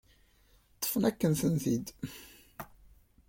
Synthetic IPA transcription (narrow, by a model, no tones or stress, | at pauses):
t̪ə̥fnækːənsənθid̪